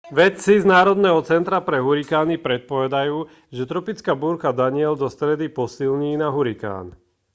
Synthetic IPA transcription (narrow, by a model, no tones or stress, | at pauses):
ʋɛt̪t͡siznaːɾɔd̪nɛːɦɔt͡sɛnt̪ɾapɾɛɦuɾikaːnipɾɛt̪̚pɔʋɛd̪ajuː | ʒɛt̪ɾɔpit͡skaːbuɾkad̪aɲɪɛld̪ɔst̪ɾɛd̪ipɔsilɲiːnaɦuɾika̰ːn